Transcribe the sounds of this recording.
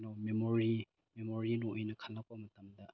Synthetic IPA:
nomemoɾi | memoɾinoʔɔjnɐkʰalːak̚pamɐtɐmdɐ

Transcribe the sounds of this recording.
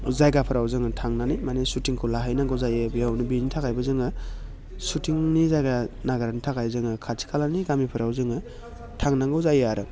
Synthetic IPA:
zajɡapʰɯɾawzɯŋɯtʰaŋnanijmanesutiŋkʰulaɦajnaŋɡɔwzajebijawnibinitʰakajbɯzɯŋɯ | sutiŋnizajɡanaɡaɾanitʰakajzɯŋɯkʰatʰi̥kʰalaniɡamipʰɯɾawzɯŋɯ | tʰaŋnaŋɡɔwzajaɾɯ

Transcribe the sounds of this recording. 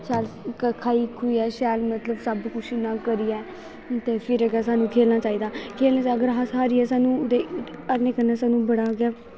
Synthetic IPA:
ʃɛːlkəkʰaːiːkʰuiːɛːʃɛːlmət̪ləbsəbkʊt͡ʃʰɪnãːkəɾiːɛː | t̪eːfʰɪɾəɡaːsaːnũːkʰeːlnaːt͡ʃaːiːd̪aːkʰeːlnaːt͡ʃaəɡəɾɦaːsɦaːɾiːɛːsaːnũːd̪eːəɾnẽːkənaːsaːnũːbəɽaːɡɪjaː

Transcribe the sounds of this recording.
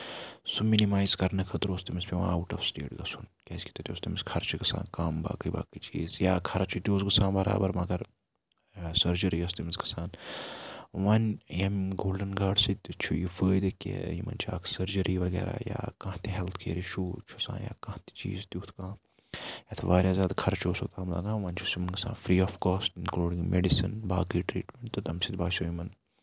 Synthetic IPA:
suminimaːjzkɐɾnɐkʰɐt̪ɾoːst̪imɐsʲpʲiʋãːɐwuʈɐfsʈeːʈɡɐsunkʲɐskʰʲi̥t̪ɐt̪joːst̪imiskʰɐɾat͡ʃʰiɡɐsa̰ːnkaːmba̰ːkəjba̰ːkət͡ʃiːzjaːkʰɐɾat͡ʃʰut̪ʲoːzɡɐsãːnbɐɾa̰ːbɐɾmɐɡɐɾ | sɐɾd͡ʒɐɾiɐst̪imisɡɐsaːn | ʋɐnjɐmɡoːlɖɐnɡaːɖsit̪ʲt͡ʃʰujifəːjd̪ekḛjimɐ̰nt͡ʃʰa̰ːksɐɾd͡ʒɐɾiʋɐɡɛ̰ːɾa̰ːja̰ːkãːt̪iɦɛlt̪ʰkʰḛːɾiʃuːt͡ʃʰosã̰ːnja̰ːkɐ̃t̪i̥t͡ʃḭːzt̪iut̪ʰkãː | jat̪ʰʋaːɾʲjaːzʲaːd̪kʰɐɾt͡ʃʰoːsot̪aːmlɐ̰ɡãːʋɐnt͡ʃʰusimɐnɡɐsã̰ːnfɾiːɔːfkɔːsʈinkluːɖĩŋɡmḛɖisḭnbaːkiʈɾḭːʈmeɳʈt̪ɐt̪ɐmsit̪baːʃoːjimɐn

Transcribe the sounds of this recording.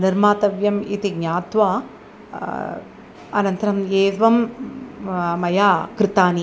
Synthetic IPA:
niɾmaːt̪ɐʋjɐmḭt̪iɡɲaːt̪ʋaː | ɐnɐnt̪ɐɾɐmeːʋɐm | mɐjaːkɾɪt̪aːni

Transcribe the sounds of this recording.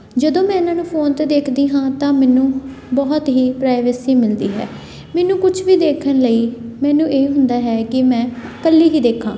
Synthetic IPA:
d͡ʒəd̪õːmɛ̃ːɪnãːnũːpʰoːnt̪əd̪eːkʰd̪iːɦãːt̪ãːmɛːnũː | bɔːt̪ɦiːpɾaːɪʋəsiːmɪld̪iːɦɛ̰ː | mɛːnũːkʊt͡ʃʰʋiːd̪eːkʰənləiːmɛːnũːʔeːɦʊnd̪aːɦɛːkɪmɛ̃ːkəlːiːɦiːd̪eːkʰːã̰ː

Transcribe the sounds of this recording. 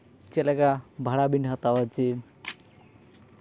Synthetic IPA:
t͡ʃɛlɛɡabʱaɽabinɦat̪awat͡ʃi

